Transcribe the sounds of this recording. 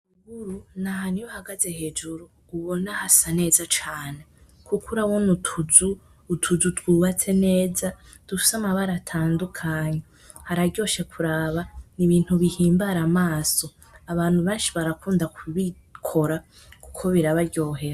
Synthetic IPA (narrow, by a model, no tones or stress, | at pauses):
uɡuɾunaɦanijohaɡaze̞he̞ːd͡ʒuɾuːβonahasane̞ːzat͡ʃaːne̞ | kʰukuɾawonutʰuzuː | tʰuzutɡuːβat͡se̞ne̞ːza | d̥ufi̥samaβaɾatʰaːndukʰaːɲe | haɾaɾɟo̞ːʃe̞kʰuɾaːβaniβiːn̥huβihiːmbaɾamaːso̞ | aβaːn̥huβeːnʃiβaɾakuːndakuβi | kʰo̞ɾa | ku̥kʰo̞βiɾaβaɾɟo̞ːɦe̞ɾa